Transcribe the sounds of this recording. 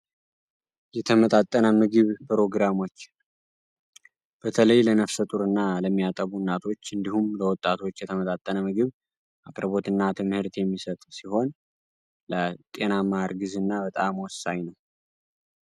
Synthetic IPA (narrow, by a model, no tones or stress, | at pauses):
jɛt̪ʰəmət̪ʼat̪ʼːənəmɨɡɨβpʰɾo̞ɡɾamo̞t͡ʃː | b̥ət̪ʰələjlənəfsət̪ʼuɾɨnːaləmːijat̪ʼəβunːat̪ʰo̞t͡ʃːɨnd̪ihumləwɔt̪ʼːat̪ʰo̞t͡ʃːjɛt̪ʰəmət̪ʼat̪ʼːənəmɨɡɨβ | ʔakʼɾbo̞t̪ɨnːat̪ʰɨmhɨɾt̪jɛmːisət̪ʼsiho̞n | lət̪ʼe̞namaɾɡɨzɨnːabət̪ʼamwɔsaɲnəw